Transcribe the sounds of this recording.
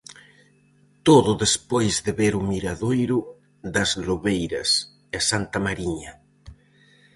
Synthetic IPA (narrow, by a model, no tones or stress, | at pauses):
t̪oðʊðespojzðeβeɾʊmiɾaðojɾʊ | ðɐzloβejɾɐs | asant̪ɐmaɾiɲɐ